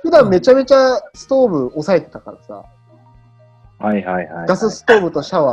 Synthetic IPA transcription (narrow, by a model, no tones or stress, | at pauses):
ɸɯ̟d̪ãmme̞t͡ɕame̞t͡ɕasɨ̥t̪o̞ːbɯ̟o̞sae̞t̪e̞̥t̪akaɾasa̰ː | haihaihaɡasɨsɨ̥t̪o̞ːbɯ̟t̪o̞ɕaβa